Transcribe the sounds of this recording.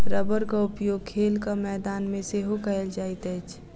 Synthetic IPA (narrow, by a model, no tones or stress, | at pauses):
ɾəbəɾkaʊpjoːɡ̚kʰeːlkamɛːd̪aːnmẽseɦokəeld͡ʒaːɪt̪ɛːt͡ʃʰ